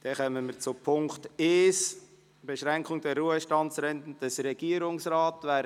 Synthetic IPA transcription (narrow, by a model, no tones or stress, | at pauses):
d̥ɛχœmənmət͡sʊpʰʊŋkteːs | b̥eʃɾæŋkχʊŋd̥ɛrːuəʃtɑntsɾɛntən̩d̥əsɾɛɡ̥iəɾʊŋsraːtʋæː